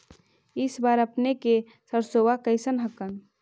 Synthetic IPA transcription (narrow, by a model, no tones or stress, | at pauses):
ɪsbaːɾəpneke | səɾsowakəɪsənɦəkən